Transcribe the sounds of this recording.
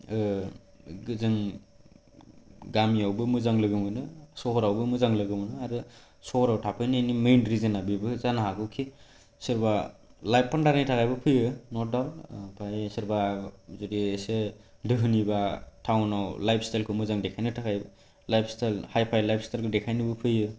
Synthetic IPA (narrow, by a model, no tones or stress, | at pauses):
ɡɯzɯŋ | ɡamiawbɯmɯzaŋlɯɡɯmɯnɯsɔɦɔɾawbɯmɯzaŋlɯɡɯmɯnɯaɾɯ | sɔhɔɾawtʰapʰɯjnɯnimejnɾizɯnabibɯzanaɦakɯwkʰi | sɯɾbalajp̚pandaɾnitʰakʰajbɯpʰɯjɯnɔt̚dawlpʰajsɯɾbazudiːse | dɯɦɯnibatʰawnawlajpʰstʰajlkʰɯmɯzaŋdekʰajnɯtʰakʰajbɯ | lajpʰstʰajlhajpʰajlajpʰstʰajlkʰɯdekʰajnɯbɯpʰɯjɯ